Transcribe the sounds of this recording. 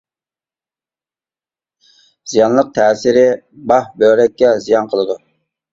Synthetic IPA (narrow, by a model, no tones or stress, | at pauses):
z̥ijɑnlˠəq̚t̪ʰɛːsɪɾɪ | bɑhbøɾɛkʲːɛzijɑnqʰəlˠɨd̪u